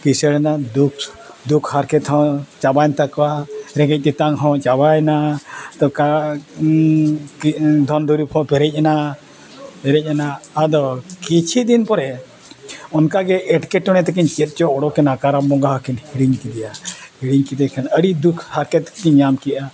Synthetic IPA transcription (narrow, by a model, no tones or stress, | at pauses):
kisəɽɛnad̪uk | d̪ukʰhaɾkɛt̪ɦɔ̃t͡ʃabaɲt̪akwaɾɛɡɛc̚t̪ɛt̪aŋɦɔ̃t͡ʃabajnat̪ɔka | d̪ʱɔnd̪ʱuɾupʰɔ̃pɛɾɛc̚ˀana | pɛɾɛc̚ˀanaːd̪ɔkit͡ʃʰid̪inpɔɾɛ | ɔnkaɡɛʔːʈkɛʈːɔɽ̃ɛt̪ɛkiɲt͡ʃɛt̪̚ˀt͡ʃɔɔɽɔkɛnakaɾamːɔɡaɦɔkɛnhiɽiŋkid̪ɛjahiɽiŋkiɛkʰɛnəɽid̪ukʰhaɾkɛt̪̚kiɲamkiʔa